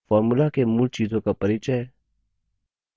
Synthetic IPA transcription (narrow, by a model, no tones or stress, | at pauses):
faːɾmulakemult͡ʃiːzõːkapɐɾiːt͡ʃɛɛ